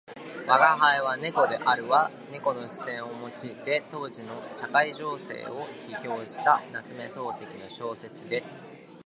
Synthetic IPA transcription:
βaɡaɦaeβane̞ko̞d̪e̞ʔaɾɯ̟βa | ne̞ko̞no̞ɕi̥sẽ̞ɰ̃o̞mo̞t͡ɕiːt̪e̞t̪o̞ːʑino̞ɕakaiʑo̞ːse̞̰ːo̞çiço̞ːɕi̥t̪anat͡sɨme̞so̞ːse̞kʲino̞ɕo̞ːse̞t͡sɨd̪e̞sɨ̥

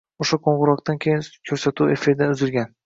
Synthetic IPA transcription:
oʃaqʰoɴʁʊɾɒqt̪ankʲʰejɪnkʲʰɵɾsat̪ʰuwe̞fɪɾd̪anʊzɪlɡʲan

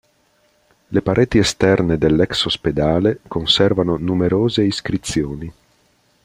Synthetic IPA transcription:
lepaɾʔeːt̪iest̪ɛrned̪elːɛksosped̪aːlekonsɛrvanonumeɾoːzeiskɾit̪sːjoːni

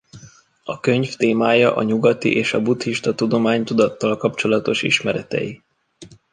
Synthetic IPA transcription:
ɒkø̞ɲft̪eːmaːjɒʔɒ̰ɲuɡɒt̪ḭʔeːʃɒbut̪hiʃt̪ɒt̪ud̪o̞maːɲt̪ud̪ɒt̪ːɒlkɒpt͡ʃo̞lɒt̪o̞ʃḭʃmɛɾɛt̪ɛ̰ji

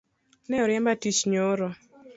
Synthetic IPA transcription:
nɛɔɾjɛmbatit͡ʃɲoɾo

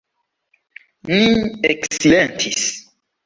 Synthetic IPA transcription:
nĩeksilɛ̃ntʰis

